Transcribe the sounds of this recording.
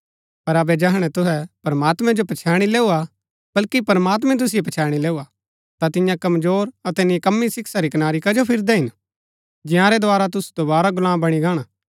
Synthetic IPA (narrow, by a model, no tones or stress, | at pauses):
pɐɾɐbɛd͡ʒɐɦɽ̃ɛt̪ʊɦɛpɐɾəmaːt̪mɛ̃d͡ʒopɐt͡ʃʰaːɽ̃ileːua | b̥ɐlkipɐɾəmaːt̪̬mɛ̃t̪̬ʊs̬ipɐt͡ʃʰaːɽ̃ileːua | t̪at̪ɪjãkɐmzoːɾɐt̪ɛnikɐmːisɪksaɾikɐnaːɾikɐd͡ʒopʰɪɾd̪ɛɦɪn | d͡ʒɪ̃jãɾɛd̪ʊaːɾat̪ʊst̪obaːɾaɡʊlãːmbɐɽ̃iɡaːɽ̃aː